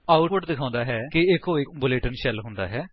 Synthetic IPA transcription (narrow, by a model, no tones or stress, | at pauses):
aːʊʈpəʈd̪ɪkʰãːnd̪aːɦɛːkɪɪkɦoːibʊleːʈənʃɛlɦʊ̃nd̪a̰ːɦɛː